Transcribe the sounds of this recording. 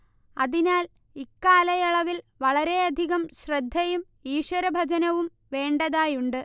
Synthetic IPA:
ɐðinaːl | ikːaːlɐjɐɭɐʋilʋɐɭɐɾe̞ɐd̪ʱiɣɐmɕrɐd̪ʱːɐjum | iːɕwɐɾɐbʱɐd͡ʑɐnɐʋum | ʋe̞ːɳɖɐðaːjuɳɖɨ

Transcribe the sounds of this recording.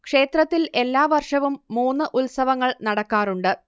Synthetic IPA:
kʂe̞ːt̪rɐt̪ːile̞lːaːʋɐrʂɐʋumːuːnːɨʔulsɐʋɐŋːɐɭnɐɽɐkːaːɾuɳɖɨ

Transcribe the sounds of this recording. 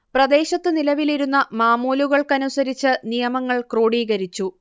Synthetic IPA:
prɐd̪e̞ːɕɐt̪ːɨnilɐʋiliɾunːɐmaːmoːluɣɐɭkɐnusɐɾit͡ɕːɨnijɐmɐŋːɐɭkro̞ːɽiːɣɐɾit͡ɕːu

